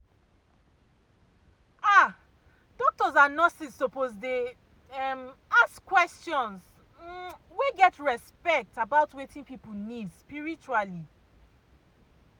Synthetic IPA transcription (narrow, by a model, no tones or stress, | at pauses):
a | dɔk̚tɔzanɔsisːopozde | ɛmaskwɛstjɔ̃ns | weɡɛtɹɛspɛk̚tabaʊtwetĩnpipul̩nidspiɹit͡ʃuali